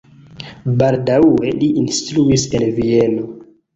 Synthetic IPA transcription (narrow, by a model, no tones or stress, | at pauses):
baldawe̞liʔinstɾuise̞nvie̞no̞